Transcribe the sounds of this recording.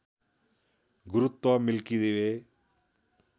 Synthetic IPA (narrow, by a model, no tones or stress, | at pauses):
ɡʊɾʊt̪ːɔːmɪlkiːd̪eːʋeː